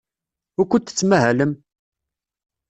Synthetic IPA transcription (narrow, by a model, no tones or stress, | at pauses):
ʊkʷːənt̪ə̥t͡sːmæɦæləm